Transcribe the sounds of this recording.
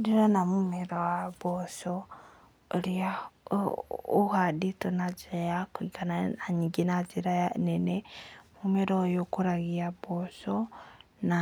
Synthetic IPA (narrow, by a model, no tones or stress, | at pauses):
diɾonamumiɾowaβosoː | ɾia | uhaditonad͡ʒiajakwikananaɲiɡinad͡ʒiɾajanenemumeɾojokuɾaɣiabosona